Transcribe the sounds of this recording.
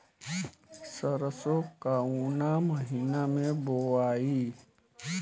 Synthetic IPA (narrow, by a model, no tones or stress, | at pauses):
səɾəsokauːnaməɦiːnamẽboaːiː